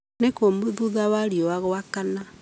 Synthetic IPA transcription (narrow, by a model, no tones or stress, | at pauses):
nekomoðuðawaɾjowaɣoakana